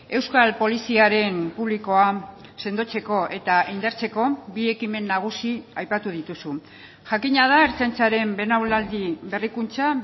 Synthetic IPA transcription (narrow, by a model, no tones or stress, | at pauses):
e̞wskalpo̞lisiaɾe̞mpuβ̞liko̞ase̞nd̪o̞t͡se̞ko̞ʔe̞t̪aind̪aɾt͡se̞ko̞bie̞kime̞nːaɣ̞usiajpat̪uð̞it̪usu | ʝakiɲaðaeɾt͡sajnt͡saɾe̞mbe̞nawlald̪iβe̞rikunt͡sa